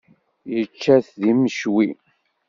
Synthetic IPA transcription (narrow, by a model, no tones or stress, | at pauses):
jət͡ʃːæθðiməʃwi